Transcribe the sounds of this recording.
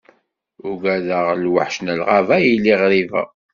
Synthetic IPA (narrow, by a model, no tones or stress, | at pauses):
ʊɡæðəʁlwə̰ħʃnəlʁavæjilːiʁɾivæ̰